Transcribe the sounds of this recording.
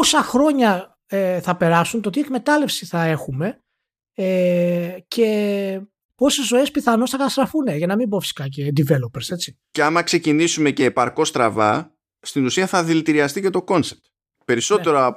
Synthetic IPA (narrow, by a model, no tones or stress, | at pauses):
osɐxɾo̞ɲɐ | eθɐpe̞ɾɐsunt̪ot̪ie̞kme̞t̪ɐle̞fsiθɐe̞xume̞ | e | cʰe | po̞se̞zo̞e̞spiθɐno̞sθɐkɐt̪ɐst̪ɾɐfuneʝɐnɐmimbofi̥si̥kɐc̬end̪ive̞lopeɾse̞t͡ssi̥ | ceɐmɐkse̞cinisume̞ce̞ːpɐɾko̞st̪ɾɐvɐ | st̪inusiɐθɐðilit̪iɾiɐst̪ice̞t̪o̞ko̞nsep̚t̪ | pe̞ɾiso̞t̪e̞ɾoɐ